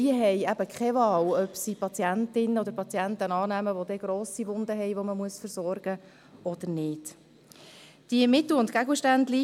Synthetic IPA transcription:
iəɦɛjæbəkχɛvɑːlœpsipʰɑt͡sjæntɪnːəɔd̪əɾpɑt͡siæntənɑːnæməʋod̪ɛɡ̥ɾoːsiʋʊnd̪əɦɛɪʋoməmuəsfəɾsɔrɡ̥ə | ɔd̪̥əɾnɪːd̥ | d̥iəmɪt̪l̩ʊntkæɡlʃtænd̪li

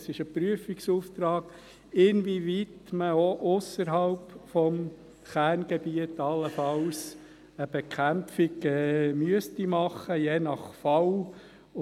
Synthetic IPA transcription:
sɪʃəpɾyəfiksuːft̪ɾɑːɡ̥ | ɪnvivit̪məoʔʊsəɾɦɑlpfɔm | χæːɾnɡ̥ɛbiət̪ɑlːəfɑls | əb̥ekχæmfɪɡɛmyəstimɑχəjenɑχfɑw

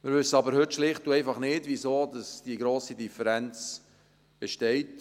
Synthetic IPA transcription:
mɪːɾvʏsəɑbəɾhɵtʃlɪχt̚duɛɪfɑχnɪdvizoːdɑsd̥iɡɾoːsidifəɾɛnt͡s | b̥ɛʃtɛɪt

